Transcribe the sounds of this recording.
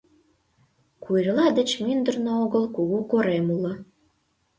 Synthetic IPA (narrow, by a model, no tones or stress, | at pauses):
kurlɑd̪ə̆t͡ɕmynd̪ərnooɣəlkuɣukoɾemulə